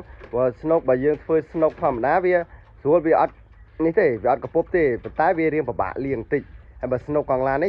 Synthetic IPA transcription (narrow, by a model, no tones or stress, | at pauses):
ʋəəsnoːk̚ɓaːjəːŋt̪ʰʋəːsnoːk̚t̪ʰŏəmːaɗaːʋiə | suəlʋiəʔɑt̪̚ | niht̪eːʋiəʔɑt̪̚kɑpup̚t̪eːpont̪aɛʋiəɾiəŋpəɓa̰ːʔliəŋt̪ɨc̚haəjɓaːsnoːkːɑŋlaːni